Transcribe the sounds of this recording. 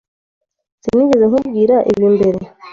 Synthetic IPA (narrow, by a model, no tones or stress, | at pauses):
z̥iniɟezeŋkub̚ɡiːɾaʔḭβjiːmbe̞ɾe